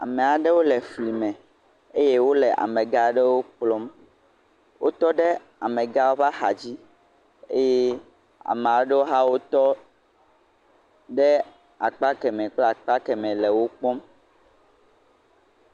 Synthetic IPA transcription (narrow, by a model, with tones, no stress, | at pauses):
a̰˨me˨a˨ɖe˦wo˦lɛ˨fli˨mɛ̃˨ | e˦je˦wo˦lɛ˨ʔa̰˨mɛ̃˨ɡa˦ɖe˦wo˦k͡plɔ˦m | wo˦t̪ɔ˦ɖe˦ | a˨mɛ̃˨ɡa˦wo˦va˦xa˨d͡ʑi˦ | e˦je˦ | a̰˨mẽ˨a˨wo˦ɖe˦wo˦ɦa˦wo˦t̪ɔ˦ | ɖe˦ | a˨k͡pa˦kɛ˨mɛ̃˨k͡plɛ˦a˨k͡pa˦kɛ˨mɛ̃˨lɛ˨wo˦k͡pɔ˦m